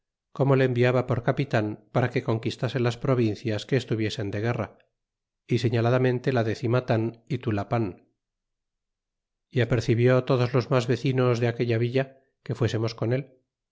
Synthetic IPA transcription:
ko̞mo̞leːmbiaβapo̞ɾkapit̪anpaɾake̞ko̞ŋkist̪ase̞laspɾo̞β̞inθjaske̞ːst̪uβje̞se̞nd̪e̞ɣe̞ra | ise̞ɲalaðamẽ̞nt̪e̞laðe̞θimat̪anit̪ulapan | iape̞ɾθiβjo̞t̪o̞ðo̞zlo̞zmazβe̞θino̞zðeake̞ʎaβiʎa | ke̞fwe̞se̞mo̞sko̞ne̞l

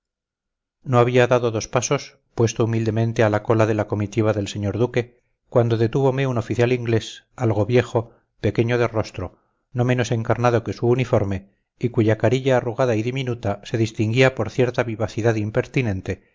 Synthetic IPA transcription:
no̞aβiaðaðoðo̞spaso̞s | pwe̞st̪oumild̪e̞mẽ̞nt̪ealako̞laðe̞lako̞mit̪iβ̞aðe̞lse̞ɲo̞ɾðuke̞ | kwand̪o̞ðe̞t̪uβo̞me̞uno̞fiθjaliŋɡle̞salɣo̞βje̞xo̞ | pe̞ke̞ɲo̞ð̞e̞ro̞st̪ɾo | no̞meno̞se̞ŋkaɾnaðo̞ke̞suːnifo̞ɾme̞ | ikuʝakaɾiʎaːruɣaðaiðiminut̪ase̞ðist̪iŋɡiapo̞ɾθje̞ɾt̪aβiβaθiðaðimpe̞ɾt̪inẽ̞nt̪e̞

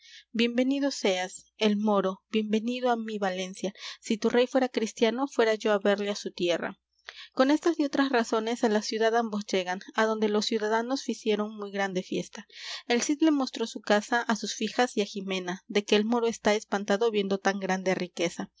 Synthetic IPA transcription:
bje̞mbe̞nið̞o̞se̞ase̞lmo̞ɾo̞bje̞mbe̞nið̞oamiβale̞nsjasit̪urʔe̞jfwe̞ɾakɾist̪jano̞fwe̞ɾaʝo̞aβe̞ɾleasut̪je̞ra̰ | ko̞ne̞st̪asio̞t̪ɾasraso̞ne̞salasjuðaðambo̞sd͡ʒe̞ɣanaðo̞nd̪e̞lo̞sːjuðaðano̞sfisje̞ɾo̞ŋmujɣɾand̪e̞fje̞st̪ae̞lsit̪le̞mo̞st̪ɾo̞sukasaʔasusfixasiaximẽ̞naðe̞ke̞ːlmo̞ɾo̞e̞st̪ae̞spant̪aðo̞βje̞nd̪o̞t̪aŋɡɾand̪e̞rike̞sa

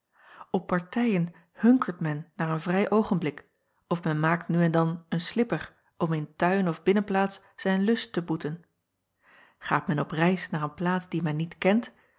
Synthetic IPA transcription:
ɔpːɑɹtɛjən | hɵŋkəɹtmɛnːaːɹənvrɛjʔowχənblɪk | ɔfmɛnmaːk̚tnyɛndɑnənslɪpəɹ | ɔmɪntœɥnɔvbɪnənplaːtsːɛjnlɵstəbutən | χa̰ːtmɛnɔprɛjsnaːɹənplaːtzd̥imɛnːitkɛnt

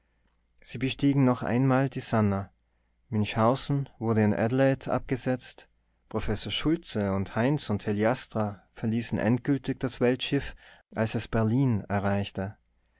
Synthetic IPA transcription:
z̥iːbəʃtiːɡŋ̩nɔχʔa̰ɪnmaːldiːzana | mɪnçhaʊzn̩vʊɐdəɪnʔɛ̰dlatʰʔa̰p̚ɡ̥əzɛt͡st | pʁ̥ofɛsoːɐʃʊlt͡səʊnthaɪnsʊntʰeljastʁ̥afɛɐliːsn̩ʔɛ̰ntɡ̥ʏltɪçd̥asv̥ɛltʃɪfʔalsɛsb̥ɛɐliːnɛɐʁaɪçtə

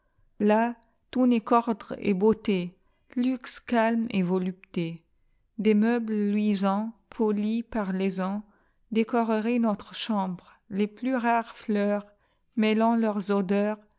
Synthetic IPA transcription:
la | t̪unekɔʁd̪ʁḛbot̪e | lykskalmevɔlypt̪e | d̪emœblːɥizɑ̃pʰɔlipaʁlezɑ̃ | d̪ekɔʁəʁenɔt̪χʃɑ̃bʁ | leplyʁaʁflœːʁ | mɛlɑ̃lœʁzod̪œːʁ

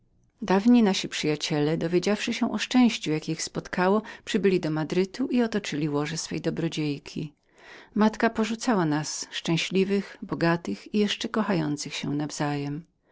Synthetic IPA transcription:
d̪avɲinaɕipʂɘjat͡ɕɛlɛd̪ɔvʲjed͡ʑafʂɘɕɛ̃ʔɔʂt͡ʂɛ̃w̃ɕt͡ɕujakʲixspɔt̪kawɔpʂɘbɘlʲid̪ɔmad̪ɾɘt̪uʔiɔt̪ɔt͡ʂɘlʲiwɔʐɛsfɛ̰jd̪ɔbɾɔd͡ʑejkʲʰi | mat̪kapɔʐut̪sawanasʂt͡ʂɛ̃w̃ɕlʲivɘxbɔɡat̪ɘxijɛʂt͡ʂɛkɔxajɔnt̪sɘxɕɛ̰navz̥ajɛm

